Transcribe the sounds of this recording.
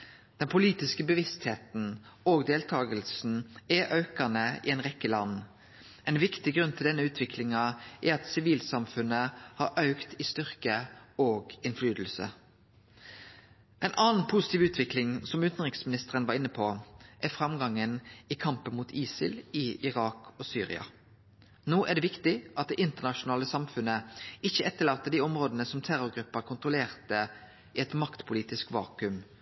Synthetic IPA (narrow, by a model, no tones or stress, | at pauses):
d̪̥ɛnpʰʊliːt̪ɪskəbəʋɪst̪heːt̪n̩oːɡd̪eːlt̪ʰɑːɡəlsn̩ɛʔœʉkənəɪ̰ɛɪnʁɛkːəlɑnː | ʔɛɪnʋɪkt̪ɪɡɾʉnːt̪ʰɪld̪ɛnːəʉːt̪ʰʋɪkʰlɪŋɑʔɛɾɑt̪sɪʋiːlsɑmfʉnəhɑʔɑʉkt̪ɪst̪ʏʁkəoːɡɪnflyːd̪l̩sə̰ | ʔɛɪnʔɑːn̩pʰʊsɪ̥t̪iːʋʉːt̪ʰʋɪklɪŋsɔmʉnt̪n̩ʁɪksmɪnɪst̪əʁənʋɑːɾɪnːəpʰoʔæfʁɑmɡɑŋːəniːkʰɑmpənmuːt̪ʰiːsɪ̰lɪɪʁɑːkʰoːsy̰ːʁɪ̰ɑ̰ | noːʔæɖ̪eːʋɪkt̪ɪʔɑt̪̚d̪ɛʔɪnt̪əʁnɑʃʊnɑːləsɑmfʉnəɪçːəɛt̪ːəɭɑːt̪ːəd̪iːɔmʁoːd̪ənəsɔmt̪ʰæɾʊɾɡʁʉpːəɾkʰʊnt̪ʁʊleːʁt̪ə | iɛt̪mɑkt̪pʰʊliːt̪ɪskʋɑ̰ːkʉm